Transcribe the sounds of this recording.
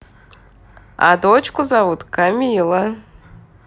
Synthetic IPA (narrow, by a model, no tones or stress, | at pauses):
a̰d̪ot͡ʃkuzavut̪kamʲilˠɐ